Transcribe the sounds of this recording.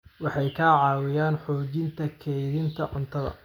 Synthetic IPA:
wɑħɑjkʰaːʕɑːwɪjaːnħɔːt͡ʃɪnt̪ʰɐkʰɛjðɪnt̪ʰɐʔʊnt̪ʰɐðɐ̰

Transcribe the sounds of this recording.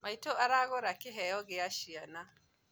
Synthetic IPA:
majtoʔaɾaːɡʊɾakiɦejoɡɪjaʃijana

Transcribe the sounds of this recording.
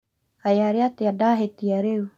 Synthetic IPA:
hajaɾiat̪iadaɦet̪ijaɾeu

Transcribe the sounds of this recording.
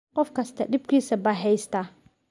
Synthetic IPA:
qɔfkast̪aɗib̚kisabaɦɛjst̪a

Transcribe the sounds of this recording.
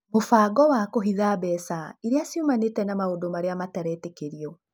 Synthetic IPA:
mofaːɡɔwakoɦiðabɛsaiɾeasjumanetɛnamaodomaɾeamatɛɾɛːtekeɾiɔ

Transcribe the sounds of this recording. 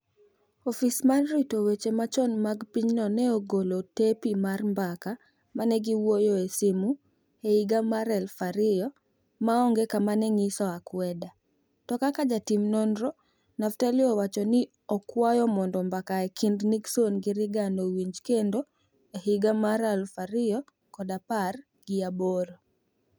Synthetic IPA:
ɔfismanɾitowet͡ʃemat͡ʃɔnmaɡpiɲnɔnɛoɡolotepimarmbaka | manɛɡiwojɔesimu | ehiɡamaɾɛlfaɾɪjɔ | maɔŋɡekamanɛŋisɔakwɛda | tɔkakad͡ʒatimnɔnɾɔ | naftaliɔwat͡ʃɔnɪ | ɔkwajɔmɔndɔmbakaekʰindniɡsonɡɪɾɪɡanowiɲd͡ʒkendo | eɦiɡamaɾɛlfaɾɪjɔ | kɔdapar | ɡ̥ɪaboɾɔ

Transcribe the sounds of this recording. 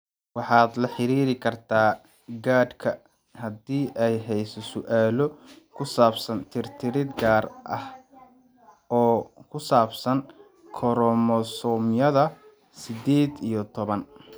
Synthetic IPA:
wɑħɑːd̪lɐħɪɾiːɾɪkʰɐrt̪ʰaː | ɡaːd̪kʰɐ | hɐdiːʔɛjɦɛjsɔsʊʔaːlɔ | kʰʊsaːbsɐnt̪ʰɪrt̪ʰɪɾɪd̪ɡaːrʔɐh | ɔːkʰʊsaːbsɐŋ | kʰɔɾɔmɔsɔmjɐðɐ | sɪd̪eːd̪ijɔt̪ʰɔβɐn

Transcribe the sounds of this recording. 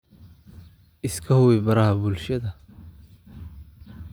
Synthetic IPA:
ʔɪskʰɐhʊwɪbɐɾɐhɐbʊlʃɐðɐ

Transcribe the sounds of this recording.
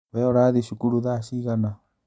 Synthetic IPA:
βɛɔɾaðiʃukuɾuðaʃiɣana

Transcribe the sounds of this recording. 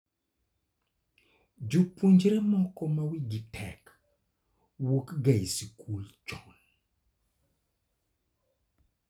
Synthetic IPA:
d͡ʒupund͡ʒɾɛmɔkɔmawiɡitʰɛ̰k | wokɡaisikʰult͡ʃɔn

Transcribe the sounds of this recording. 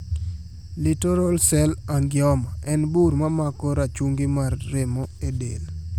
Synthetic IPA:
litɔɾɔlsɛlaŋɡɪɔmaʔɛnbuɾmamakɔɾat͡ʃuŋɡɪmarːemɔedḛl

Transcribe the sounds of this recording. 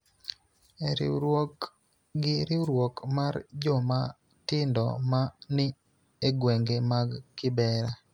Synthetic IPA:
eɾɪ̰ɾwok | ɡɪɾɪɾwokmard͡ʒɔma | tɪndɔ̰manɪ | eɡweŋɡemaɡːɪbɛɾa

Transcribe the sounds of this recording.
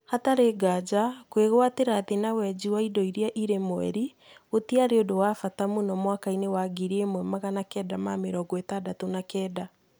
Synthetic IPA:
hataɾeɡad͡ʒakweɣwateɾaðenawɛd͡ʑiwaidɔiɾiaʔiɾemoɛ̰ɾi | otiaɾeodowafatamunɔmwakainewaɡiɾiemwɛmaɣanakɛːdamameɾɔɡwetadatonakɛːda

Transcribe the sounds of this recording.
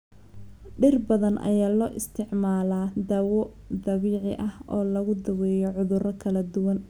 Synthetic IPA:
ɖɪrbɐðɐnʔɐ̰jaːlɔːʔɪst̪ʰɪʕmaːlaːd̪ɐwɔ | d̪ɐβiːʕɪʔɐhɔːlɐɣʊd̪ɐwɛːjɔʕʊðʊrɐkʰɐlɐd̪ʊwɐn

